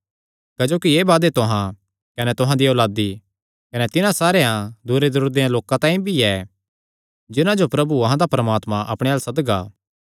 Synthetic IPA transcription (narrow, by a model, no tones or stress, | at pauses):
kɐd͡ʒoːkieːbaːd̪et̪ʊɦã | kɐnɛt̪ʊɦãd̪ioːlaːd̪i | kɐnɛt̪ɪnãsaːɾejãd̪uːɾezɐɾuːɾd̪ejãloːkãt̪ãːĩbʱiɛ | d͡ʒɪnãd͡ʒopɾɐbuɐɦãd̪apɾəmaːt̪mãʔɐ̰pɽ̃ejaːlsɐd̪ɡa̰ː